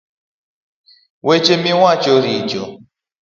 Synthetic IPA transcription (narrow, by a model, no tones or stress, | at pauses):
wet͡ʃemiŋʷat͡ʃoɾid͡ʒo